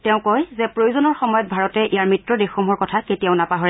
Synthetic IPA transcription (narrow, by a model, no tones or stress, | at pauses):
tɛʊ̃kɔjzɛpɹojozɔnɔɹxɔmɔjɔt̚bʱaɹɔtɛʔijaɹmitɹɔdexɔmɦɔɹkɔtʰaketijaʊnapaɦɔɹɛ